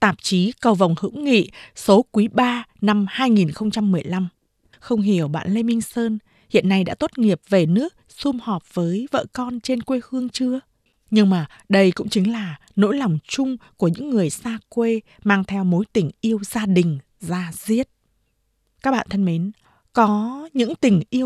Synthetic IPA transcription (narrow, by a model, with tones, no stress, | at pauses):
t̪aː˨˩p̚t͡ɕi˨˦kə˧˩wva˨˩wŋ͡mhɨ̰˧˥wŋḭ˧˨so˨˦kwi˨˦ɓaː˧na˧mhaː˧jŋi˨˩nxə˧wŋ͡mt͡ɕa˧mːɨ˨˩əjla˧m | xə˧wŋ͡mɦi˧˩əwɓa̰ː˧˨nle˧mï˧ŋ̟səː˧n | hḭ˧˨ənːa˧jɗa̰ː˧˥t̪o˦˥t̚ŋi˨˩əp̚ve˨˩nɨ˦˥ək̚sʊ˧mhɔ˨˩p̚vəː˨˦jvə̰ː˧˨kɔ˧nt͡ɕe˧nkwe˧hɨ˧əŋt͡ɕɨ˧ə | ɲɨ˧ŋmaː˨˩ | ɗə˧jkʊ̰˧˥ŋ͡mt͡ɕï˨˦ŋ̟laː˨˩ | no̰˧˥jla˨˩wŋ͡mt͡ɕʊ˧ŋ͡mku˧˩əɲɨ̰˧˥ŋːɨ˨˩əjsaː˧kwe˧ | maː˧ŋt̪ʰɛ˧wmo˨˦jt̪ï˨˩ŋ̟ʔi˧əwzaː˧ɗï˨˩ŋ̟ | zaː˧zi˦˥ət̚ | kaː˦˥k̚ɓa̰ː˧˨nt̪ʰə˧nmi˨˦n | kɔ˨˦ɲɨ̰˧˥ŋt̪ï˨˩ŋ̟ʔi˧əw